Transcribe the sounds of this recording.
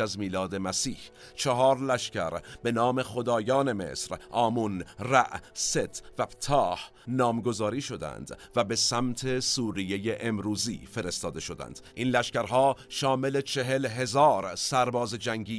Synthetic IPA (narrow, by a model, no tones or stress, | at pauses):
æzmiːlɒːd̪e̞mæsiːh | t͡ʃʰeɦɒːɾlæʃcæɾbe̞nɒːme̞xo̞d̪ɒːjɒːne̞me̞̰sɾʔɒːmunræʔset̪ʰvæpt̪ʰɒːh | nɒːmɡo̞zɒːɾiːʃo̞d̪æ̰nd̪̥væbe̞sæmt̪ʰe̞suːɾije̞jeʔemɾuːzḭːfe̞ɾe̞st̪ɒːd̪e̞ʃo̞d̪æ̰nd̪̥ʔiːnlæʃkæɾɦɒːʃɒːme̞le̞t͡ʃʰe̞ɦe̞lɦe̞zɒːɾsæɾbɒːzed͡ʒæŋɟiː